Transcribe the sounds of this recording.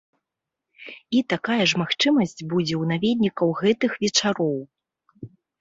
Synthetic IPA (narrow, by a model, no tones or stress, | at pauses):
it̪akajɐʐmaxt͡ʂɨmɐsʲt͡sʲbud͡zʲɛwnavʲɛd̪ʲnʲikɐwɣɛt̪ɨxvʲɛt͡ʂaɾɔw